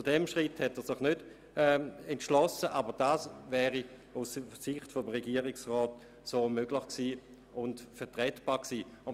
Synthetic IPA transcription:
t͡sudɛmʃʁithɛtɛːɐsɪχnød̥ | ɛɛntʃlɔsəʔabəd̥aːsvɛːʁi | ussɪχtfomʁɛɡiːɐʁɪksʁɔːt | soːmøɡlɪχksiː | ʊntfɛɐtʁɛtb̥aːksiːʊ

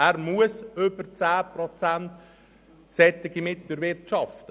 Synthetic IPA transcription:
æːɾmuəsøbəɾt͡sæːprɔt͡sænt | sɛt̪ːɪɡimɪt̪ləɾʋɪɾt͡ʃɑft

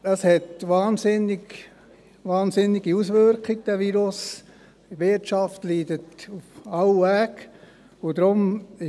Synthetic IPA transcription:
ɑshɛtʋɑːnsɪnːɪɡ | ʋɑːnsɪnːɪɡiusʋøɾkχɪɡ̚d̥æʋiːɾʊs | ʋɪtt͡ʃɑftliːdətufɑwæːk | ʊd̥̪ɾʊmɪ

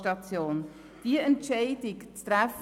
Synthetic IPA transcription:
tɑt͡sjoːn | d̥iəɛntʃɛɪd̥ɪkt͡st̪ɾæf

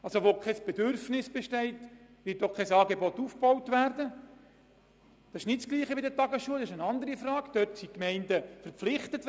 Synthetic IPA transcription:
ɑlsoʋokʰɛsb̥edʏɾfnɪsb̥ɛʃtɛɪtʋɪɾtokʰːɛsɑːɡebɔtːufb̥owtvæɾdə | d̥ɑsɪʃnɪtsɡ̥liːχəbɪdətɑɡəsʃuəldɑsɪʃənɑnd̪əɾifrɑːɡd̥œtsikmɛɪndəfəɾp͡flɪχtət

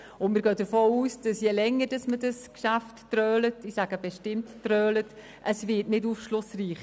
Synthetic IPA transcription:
ʊntmɪɾɡœːd̥əɾfoːuːsd̥ɑsjɛlɛŋːəd̥ɑsmədɑskʃaftːɾœːlətɪsaɡəb̥ɛʃtɪmtːrœːlət | ʔəsvɪtnɪduːfʃlʊsriːχ

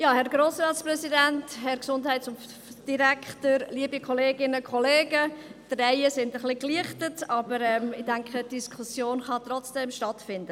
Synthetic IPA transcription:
jɑːhɛɾɡɾoːsɾɑːtsprɛsidænthɛɾksʊndhɛɪtsʊn | d̥iɾækʰtəɾliəbikʰɔleːɡɪnəkʰχɔleːɡəd̥rɛɪəsɪndəχlikliəχtətɑbəɾɛmɪdæŋkχətd̥iskʰusjoːnχɑtrɔt͡sd̥ɛmʃtɑtfɪndə

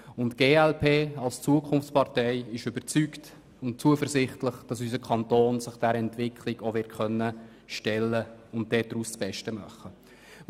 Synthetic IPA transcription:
ʊntɡ̥eːɛlpʰeːɑlst͡suəkʰʊnft͡spɑʁtɛɪɪʃʏbəɾt͡sykt | ʊntt͡suəfəɾsɪχtləχd̥ɑsys̬əkʰɑntoːnsəχd̥ɛɾɛntʋɪkʰlɪɡoʋɪtχœnːə | ʃtɛlːəʊnt̚d̥ɛːdɾuːst͡sb̥ɛʃtəmɑχə

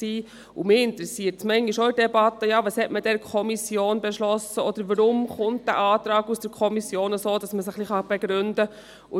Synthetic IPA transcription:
siː | ʊmɪɪnt̪ɾɛsiːəɾtsmɛŋiʃɔɪdɛbɑtːəjɑːʋɑshɛtməd̥ɛɾkʰɔmisjoːnbɛʃlɔsəɔd̪əɾʋəɾʊmχʊnt̚d̥æ̰ʔɑːtɾɑːɡusd̥əɾkʰɔmisjoːnəsoːd̥ɑsməsəχliχɑb̥eɡ̥ɾʏndə | ʊ

